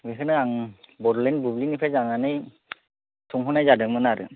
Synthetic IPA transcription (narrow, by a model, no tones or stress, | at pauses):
ɡɯkʰɯnɯaŋbɔdlɛnbublinipʰazaŋanɯj | sʰuŋɦɔnajzadɯŋmɯnaɾɯ̰